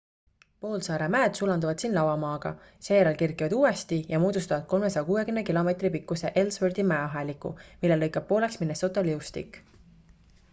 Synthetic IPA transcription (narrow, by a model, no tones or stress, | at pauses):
po̞ːlsɑːɾemæːd̪̥sulɑnd̪uvɑd̪̥sinlɑwɑmɑːɡ̥ɑ̰ | se̞ːjɾɑlkirkˑivɑd̪̥uːest̪ijɑmuːd̪ust̪ɑvɑd̪̥̚ko̞lme̞sɑjɑkuːwekymnekilo̞me̞t̪ripikːˑuse̞ʔelsvørd̪imæeɑɦɑlikːˑṵmilːe̞lːɤjkːˑɑb̚pːo̞ːle̞ksminːest̪ot̪ːˑoliust̪ḭkːˑ